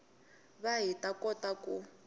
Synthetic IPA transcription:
βaɦitʼakɔtaku

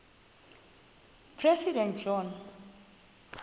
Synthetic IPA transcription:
pʰɹɛsidɛ̃ntd͡ʒɔn

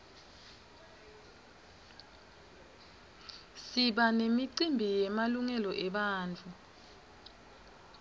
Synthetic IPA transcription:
siɓanemiǀimbʱijɛmaluŋɛlɔʔɛɓaːnt͡fʰʼu

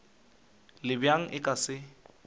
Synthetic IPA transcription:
lɪbjaŋ̩ʔɪkʼasɪ

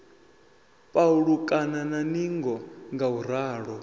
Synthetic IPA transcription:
pʼauɺukʼanananiŋɡɔŋɡauɾ̤aːɺɔ

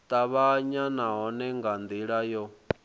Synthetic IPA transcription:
t̪ʼaβaɲanaɦɔnɛŋɡand̪iɺajɔ

